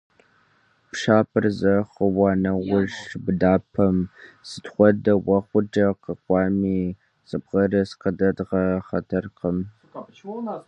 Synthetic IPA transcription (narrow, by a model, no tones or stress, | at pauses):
pʂaːpʰʼɨrzɐχəwɑːnɐwʊʒbdaːpʰɐmsɨtχʷɔdɐwɐχʷʊd͡ʒɐqɐkʷʼɑːmiː | sɨbʁɐrɐsqədɐdʁɐχɐtʰɐrqəm